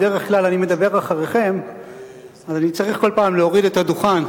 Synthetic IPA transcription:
deʁeχklalanime̞d̪abe̞ʁaχaʁeχe̞m | azanit͡saʁiχko̞lpaːmleo̞ʁidet̪haduχan

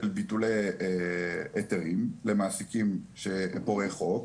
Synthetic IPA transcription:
elbituleeeteʁimlemaːsikimʃepoʁeχo̞k

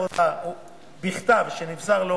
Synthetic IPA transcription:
od̪au | biχt̪avʃenifzaʁlo

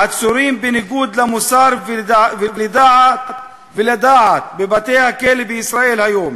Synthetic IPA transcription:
ʔat̪sʊɾiːmbɪnɪɡuːd̪lamʊsɑːɾɪlɪd̪aːʕa | bɪlad̪aːʕabɪbat̪eːhakeːlbiʔɪsɾˤɑːʔiːlhajoːm

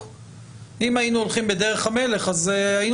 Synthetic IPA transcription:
imainuolχimbed̪e̞ʁe̞χhame̞le̞χazain

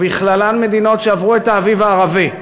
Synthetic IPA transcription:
biχlalanme̞d̪ino̞tʃeavʁuetaːvivaːʁavi

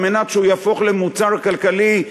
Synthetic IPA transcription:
menatʃeujafo̞χlemut͡saʁkalkali

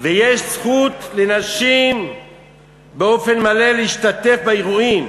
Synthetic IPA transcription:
vejeʃsχut̪lenaʃim | beo̞fe̞nmale̞leiʃtat̪e̞fbaeʁuim

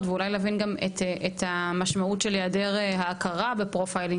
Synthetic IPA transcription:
d̪veulajlaːvinɡameteʔet̪hamaʃmautʃeljadeʁehaːkʰaʁabepʁofajliŋ

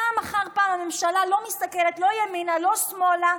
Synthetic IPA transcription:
amaχaʁpaːmamemʃalalo̞mist̪akelet̪lo̞jaminalo̞smo̞la

